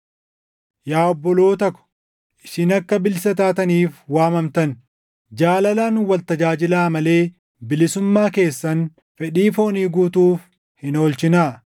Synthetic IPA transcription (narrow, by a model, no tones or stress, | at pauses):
jaːɔbːɔloːt̪ɐkʊ̥ | ʔɪ̥ʃɪnɐkːɐbɪlsɐt̪aːt̪ɐniːfwaːmɐmt̪ɐn | d͡ʒaːlɐlaːnwɐlt̪ɐd͡ʒaːd͡ʒɪlaːmɐle̞ː | bɪlɪsʊmːaːke̞ːsːɐn | fɛᶑiːfo̞ːniːɡuːt̪uːf | hɪnoːlt͡ʃɪnaː